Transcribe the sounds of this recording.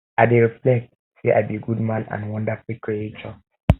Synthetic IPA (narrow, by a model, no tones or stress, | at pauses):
aɪdeɹiflɛk̚t̚ | siʔa̰ɪbiɡud̚mãnã̰nwʌ̃ndafulkɹiet͡ʃɔ